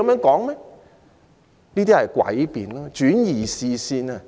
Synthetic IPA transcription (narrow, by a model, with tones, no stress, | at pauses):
mœː˨˧˥ŋkɔː˨˥ŋmɛ˥ | niː˥t̪iː˥hɐ˨jkwɐ̰˨˥jpiː˨nlɔː˦˥t͡ʃyː˨˥njiː˨˩siː˨˧siː˧nɐ˧